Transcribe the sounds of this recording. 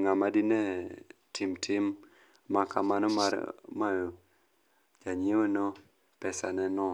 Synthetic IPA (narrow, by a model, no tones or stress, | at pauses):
ŋamadinɛtʰɪmtʰɪm | makamanɔmaɾmajo | d͡ʒaɲewonɔ | pɛsanɛnɔ